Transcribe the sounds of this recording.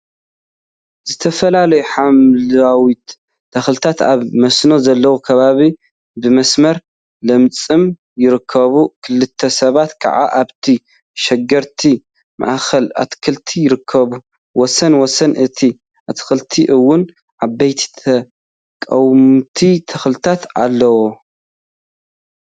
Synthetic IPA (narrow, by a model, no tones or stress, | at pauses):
z̥ɨt̪ʰɐfɐlalɐjuħamlawit̪ | d̪̥ɐxlɨt̪ʰat̪a̰βmɐsno̞zɐlːɐwukʰɐβaβi | bɨmɐsmɐɾ | lɐmt͡sʼɨm | jɪɾɨkʰːɐβukʰɨlɨt̪ʰːɐsɐβat̪kʰɐ̰ʕa̰ʔaβt̪ʰi | ʃɛɡɐɾt̪ʰi | ma̰ʔxɐla̰t̪kʰɨlt̪ʰijɪɾɨkʰːɐβu | wɔsɐnwɔsɐnʔɨt̪ʰi | ʔat̪ʰxɨlt̪ʰiʔɨwːʊn | ʔaβbɐjt̪ʰi̥t̪ʰɐ | kʼɐwmt̪ʰit̪ʰɐxlɨt̪ʰat̪alːɐwo